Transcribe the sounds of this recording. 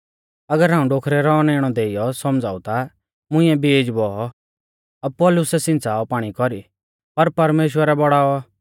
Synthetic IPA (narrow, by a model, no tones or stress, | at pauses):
ɐɡəɾɦaːũɖoːkʰɾɛɾɔneːɽ̃ɔd̪eːɪjɔsɔmd͡za̰ːut̪a | mʊ̃ɪ̃ːɛbeːd͡ʒbɔɔ | ab̚pɔːlʊsɛsɪ̃nt͡saːɔpaːɽ̃ikɔɾi | pɐɾpɐɾmeːʃ̬wəɾɛbɔɽaːɔ